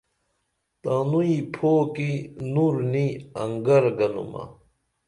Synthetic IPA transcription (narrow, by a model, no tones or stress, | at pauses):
t̪aːnuipʰoːkinuɾniɐŋɡɐɾɡɐnṵmɐ̰